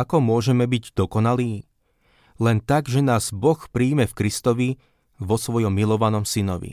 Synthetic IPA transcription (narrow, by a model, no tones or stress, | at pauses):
akɔmʊɔʒɛmɛbiɟd̪ɔkɔnaliː | lɛnt̪aɡʒɛnaːz̥bɔxpɾiːmɛfkɾist̪ɔʋi | ʋɔsʋɔjɔmːilɔʋanɔmsinɔʋḭ